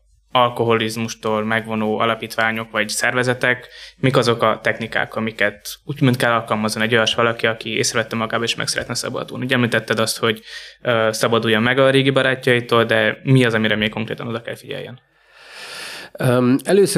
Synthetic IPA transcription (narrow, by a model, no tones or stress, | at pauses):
ɒlko̞ɦo̞lizmuʃt̪oːlmɛɡvo̞noːɒ̰lɒpiːt̪ʋaːɲo̞kʋɒɟsɛrvɛzɛt̪ɛkmikɒzo̞kɒt̪ɛxnika̰ːkɒmikɛt̪uːɟmønt̪̚kɛlːɒlkɒlmɒzːɒnɛɟjɒʃʋɒlɒkiɒkiḛːsrɛvɛt̪ːɛmɒɡaːbɒeːʃmɛ̰ksɛɾɛ̰t̪nɛsɒ̰bɒ̰d̪ṵːlniuːɟɛmlit̪ɛt̪ːɛd̪ɒst̪ho̞ɟøːsɒbɒd̪uːjːommɛɡɒɾeːɡibɒɾaːcːɒjit̪oːld̪ɛmiɒzɒmiɾɛmeːkko̞ŋkrḛːt̪ɒno̞d̪ɒkɛ̰lfiɟɛ̰ljɛ̰n | ɛløːs